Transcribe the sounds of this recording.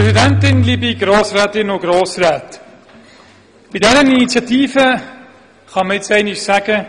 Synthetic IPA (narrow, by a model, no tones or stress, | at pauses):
pɛzidɛntɪnlibiɡɾoːsrɛːtɪnʊɡ̥ɾoːsrɛːt | bmɪtdɛɾəninit͡sjɑtiːvə | χɑməɪt͡sɛɪnɪʃsæɡ̥ə